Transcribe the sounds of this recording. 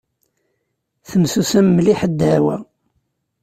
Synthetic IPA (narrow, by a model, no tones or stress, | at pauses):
θəmsusæmːliħəd̪ːæwæ